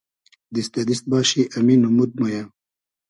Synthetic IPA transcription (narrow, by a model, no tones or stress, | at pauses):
d̪ist̪ɐd̪ist̪̚bɑːɕiʔɐminumud̪̚moja